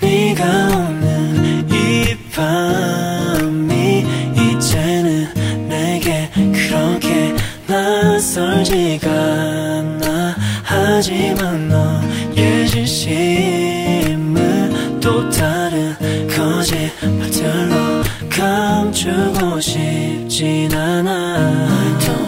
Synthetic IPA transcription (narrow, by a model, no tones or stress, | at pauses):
miɡaonːɯnipʰa | mːiit͡ɕenɯnːeɡe̞kɯɾʌkʰe̞ | nasʌɭd͡ʑiɡa | nahad͡ʑimanːo | jed͡ʑuɕʰi | mːɯn | totʰaɾɯnkʌd͡ʑi | pat͡ɕʰʌɭːo | kʰamt͡ɕʰuɡoɕip̚t͡ɕinana